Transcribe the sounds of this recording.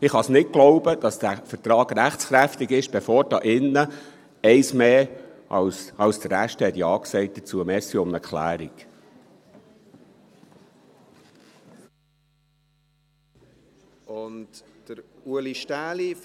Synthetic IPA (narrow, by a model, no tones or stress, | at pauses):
ɪχhɑsnɪt̚ɡ̥loʊbəd̥ɑsd̥æfəɾt̪ɾɑːɡɾæχt͡sχɾæftiɡɪʃb̥efoːɾd̥ɑːʔɪnːə | ɛɪsmeːʔɑ̰lsɑlsd̥̪əɾæʃtəhɛt̪jɑːksɛɪt̚d̥ət͡suəmɛːsiʊməɾkʰχlæ̰ːɾiɡ̥ | ʊntd̥əɾuəliʃtæːli